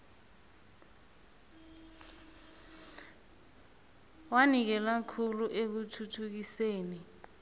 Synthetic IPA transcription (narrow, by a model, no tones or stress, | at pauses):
wanik̬ɛlakʰuluʔek̬utʰutʰuk̬iseːni